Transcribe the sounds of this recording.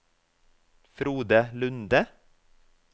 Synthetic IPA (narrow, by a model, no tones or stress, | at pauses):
fɾuːd̪əlʉnd̪ə